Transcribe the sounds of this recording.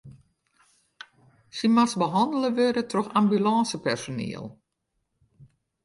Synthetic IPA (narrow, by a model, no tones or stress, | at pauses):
simasbəɦɑndələʋøɾətʰroxambylɑːsəpɛrsonḛəlˠ